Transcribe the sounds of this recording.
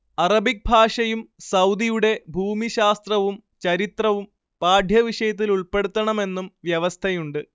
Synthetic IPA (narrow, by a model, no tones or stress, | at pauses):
ɐrɐbik̚bʱaːʂɐjumsɐwd̪ijuɽe̞bʱuːmiɕaːst̪rɐʋum | t͡ɕɐɾit̪rɐʋum | paːd̪ʱjɐʋiʂɐjɐt̪̬ːiluɭpe̞ɽut̪ːɐɳɐme̞nːumʋjɐʋɐst̪ʰɐjuɳɖɨ